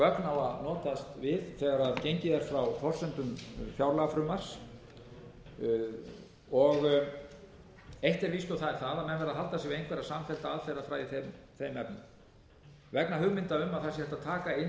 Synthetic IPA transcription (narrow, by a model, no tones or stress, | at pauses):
kœknawaðnɔːt̪ast̪vɪðθɛɣaɾaðcejɲcɪðɛɾ̥fɾawfɔr̥sœnt̪ʏmfjawɾlafɾʏmar̥s | ɔɣ | ejht̪ɛɾvist̪ɔθaðɛɾ̥θaðamɛnvɛɾðaðɦalt̪asɛvɪejŋkvɛɾasaːmfɛl̥t̪aaðfɛɾafɾaːjðɪθemθejmɛpnʏm | vɛknaɦʏɣmɪnt̪aʏmːaðθasjhɛft̪at̪ʰaːkaɪn